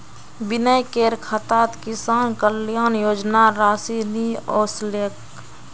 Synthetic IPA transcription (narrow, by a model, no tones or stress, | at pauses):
bɪnəjkeːɾkʰət̪aːt̪kɪsaːnkəljaːnjoːd͡ʒnaɾaːsinioːslek